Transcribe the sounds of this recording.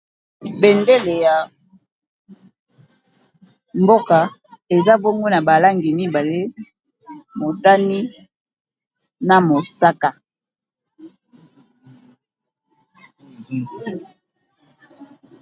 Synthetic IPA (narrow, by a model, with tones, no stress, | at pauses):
be˨nde˦le˨ja˨ | mbo˦ka˨e˨za˦bo˦ŋɡo˦na˨ba˨la˦ŋɡi˨mi˦ba˨le˦ | mo˨ta˦ni˦ | na˨mo˨sa˦ka˦